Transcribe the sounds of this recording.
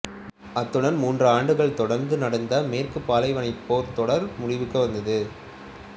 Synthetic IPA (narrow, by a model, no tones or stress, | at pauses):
ɐt̪ːɯɽɐnmuːndrɯaːɳɖɯɣɐɭt̪ɔɽɐɾnd̪ɯnɐɽɐnd̪ɐmeːrkɯpːaːlɐɪʋɐnɐɪpːoːɾt̪ɔɽɐɾmʊɽɪʋɯkːɯʋɐnd̪ɐðɯ